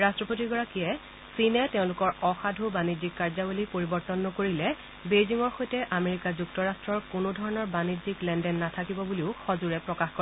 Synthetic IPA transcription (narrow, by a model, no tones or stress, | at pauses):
ɹastɹɔpotiɡɔɹakiɛ | sinɛteʊ̃lʊkɔɹɔxadʱubanizikːaɹzabulipoɹibɔɹtɔnːɔkoɹilɛ | bejziŋɔɹxojtɛʔameɹikazuktɔɹastɹɔɹkʊnʊdʱɔɹɔnɔɹbaniziklɛndɛnːatʰakibɔbuliʊxɔzuɹɛpɹɔkaxkɔɹ